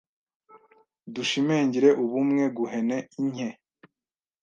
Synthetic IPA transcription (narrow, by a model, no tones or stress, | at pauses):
duʃimeːɲɟiɾe̞ʔuβumŋe̞ɡuɦe̞neiɲe